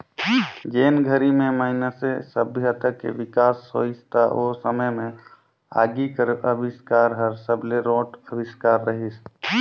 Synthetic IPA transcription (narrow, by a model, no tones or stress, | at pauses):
d͡ʒeːnɡʱəɾimẽmaɪnəsesəbʱɪɦət̪əkːḛʋɪkaːsːo̰ɪst̪ʰaʔoːsəməjmẽ | a̰ːɡikəɾəbɪskaːɾɦəɾsəbleɾoːʈəbɪskaːɾːəɦis